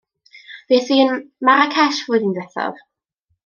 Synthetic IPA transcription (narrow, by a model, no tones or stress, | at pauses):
v̥eːθiːənmaɾakʰɛʃvʊːɨðindɛθɔ̰v